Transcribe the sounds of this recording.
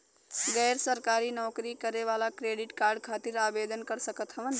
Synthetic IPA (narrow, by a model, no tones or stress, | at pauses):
ɡəjɾsəɾkaɾinɔkɾikəɾeʋalakɾeɖiʈkaɾɖkʰat̪iɾabed̪ənkəɾsəkət̪ɦəʋən